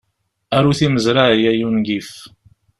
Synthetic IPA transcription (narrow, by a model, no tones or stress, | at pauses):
æɾuθiməzɾaʕjæjunɡif